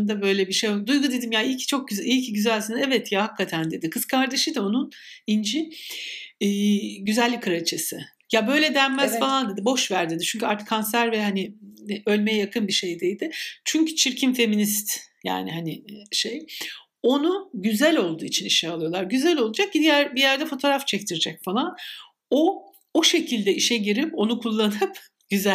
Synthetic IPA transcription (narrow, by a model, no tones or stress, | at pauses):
nd̪abø̞jlʲɛbiʃejod̪ujɡud̪e̞d̪imjailʲcʰt͡ʃʰo̞k̚ɟyzilʲcʰiɟyzælʲsinɛvɛt̪ʰjahakːat̪ʰænd̪e̞d̪ikʰɯskʰaɾd̪e̞ʃid̪ao̞nun | ind͡ʒi | ɟyzælʲːikʰɯɾat͡ʃʰɯsɯ | jabø̞jlʲɛd̪æɾmæzfalˠand̪e̞d̪ibo̞ʃvæɾd̪id̪it͡ʃʰyɲʲcʰyaɾt̪ɯ̥kʰːansæɾvɛɦanɪø̞lʲmejɛjakʰɯnbiʃe̞jd̪ejd̪ɪt͡ʃʰyɲcʰy̥t͡ʃʰiɾcʰimfe̞minist̪ja̰ːniɦanɪʃe̞j | o̞nuɟyzælʲo̞lˠd̪uːit͡ʃʰiniʃɛalˠɯjo̞lˠaɾɟyzælʲo̞lˠud͡ʒak̚cid̪ijæɾbijæɾd̪ɛfo̞t̪ʰo̞ːɾaft͡ʃʰɛct̪ʰiɾid͡ʒɛcfalˠan | o | oʃe̞cʰilʲd̪ɛiʃɛɟiɾipo̞nukʰulˠːanɯp | ɟ̥yzæ